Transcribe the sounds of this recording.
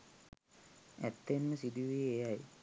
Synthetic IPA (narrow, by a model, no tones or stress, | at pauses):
æ̰t̪ːenməsid̪iʋieaj